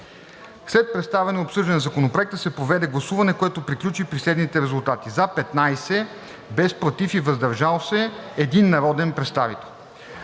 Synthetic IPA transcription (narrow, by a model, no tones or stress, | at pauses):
slɛt̪̚pɾɛt̪st̪avɛnoopsɤʒd̪ɐnzɐkonopɾoɛk̚t̪əsɛpɾovɛd̪ɛɡlˠɐsuvɐnɛkoɛt̪opɾiklʲut͡ʃipɾislɛd̪nit̪ɛɾɛzulˠt̪at̪izapɛt̪najsɛ | bɛspɾot̪ifivɐzd̪ɐɾʒalˠsɛɛd̪inːɐɾɔd̪ɛnpɾɛt̪st̪avit̪ɛlˠ